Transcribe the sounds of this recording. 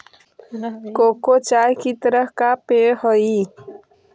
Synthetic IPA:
kokot͡ʃajkit̪əɾəɦkapehɔi

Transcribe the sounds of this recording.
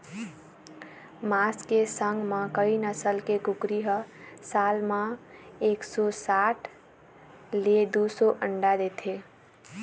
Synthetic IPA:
maskesəŋɡmãkəinəsəlkekukɾiɦəsalmãeksɔsaʈʰ | led̪usoʔəɳɖad̪et̪ʰe

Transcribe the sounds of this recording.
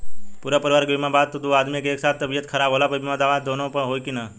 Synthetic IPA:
puɾapəɾɪʋaːɾɡomãbaːd̪̚t̪əd̪ʱuad̪miekeːksaːt̪ʰt̪əbijət̪kʰəɾabʱɦolapəbimãd̪aʋad̪onopəɦojkina

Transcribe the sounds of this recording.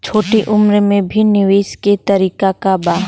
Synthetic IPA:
t͡ʃʰoːʈiʔʊmɾmẽbʱinɪʋeːsket̪ɐɾiːkakabaːɦ

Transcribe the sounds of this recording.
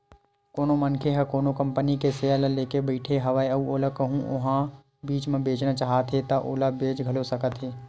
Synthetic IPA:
koːnomənkʰeɦɛkoːnokə̃mpənikeseələleːkebəɪʈʰeɦɐʋaːeɐoːlakɐɦũʔʊɦã | biːt͡ʃmẽbeːt͡ʃnat͡ʃaːɦat̪ɦet̪aʔoːlabeːt͡ʃɡʱɐlosɐkət̪ɦeː

